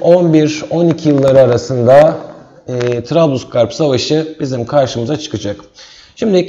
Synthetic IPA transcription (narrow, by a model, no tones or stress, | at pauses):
o̞nbiɾo̞nicʰijɯlˠːaɾɯaɾasɯnd̪aː | t̪ʰɾablˠuskʰaɾpsavaʃɯbizimkʰaɾʃɯmɯzat͡ʃʰɯ̥kɯd͡ʒak | ʃimd̪i